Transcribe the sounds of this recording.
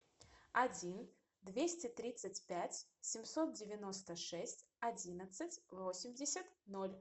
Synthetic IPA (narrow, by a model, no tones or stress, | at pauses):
ɐd͡zʲin | d̪vʲesʲtʲɪt̪ɾʲit̪sɨtʲpʲætʲsʲɪmsot̪̚dʲɪvʲɪnɔst̪əʂɛsʲtʲ | ɐd͡zʲinət̪sɨtʲvosʲɪmʲdʲɪsʲət̪nolʲ